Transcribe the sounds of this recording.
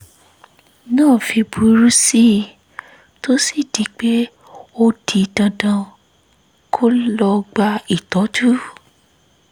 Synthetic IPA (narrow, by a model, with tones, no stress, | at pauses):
nãː˦˨fi˧bu˨˦ɾu˦si˦ | to˦si˦˨di˨˦k͡pe˦ | o˧di˧dã˧dã˧ | kʰo˦lɔ˧ɡ͡ba˧i˨tɔ˨˦d͡ʒu˦